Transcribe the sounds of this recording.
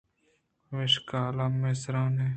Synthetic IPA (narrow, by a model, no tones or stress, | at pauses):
ʋɪʃkaːlaːmesɾãːneː